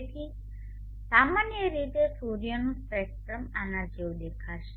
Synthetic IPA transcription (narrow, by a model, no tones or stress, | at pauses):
t̪ʰi | samanjəɾit̪esuɾijonũspɛk̚ʈɾəmanad͡ʒewd̪ekʰaʃe̥